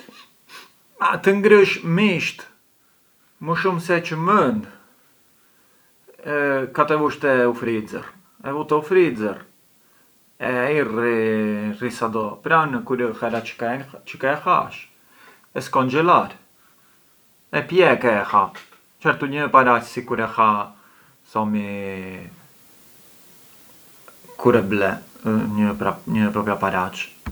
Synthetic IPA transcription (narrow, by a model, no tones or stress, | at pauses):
a̰t̪əŋɡɾəʃmiʃt̪ | məʃumsɛt͡ʃəmənd̪ | kat̪ɛvuʃt̪ɛufɾid͡zə̰r | ɛvut̪ɛufɾid͡zər | ɛairirisad̪ɔpɾanəkuɾəxɛɾḁkɛt͡ʃəkɛxa̰ʃ | ɛskɔnd͡ʒɛlaɾ | ɛpjɛkɛxa | t͡ʃɛɾt̪uɲəpaɾat͡ʃsikuɾɛxa | sɔmi | kʰuɾɛblɛɲəpɾaɲəpɾɔpɾapaɾat͡ʃ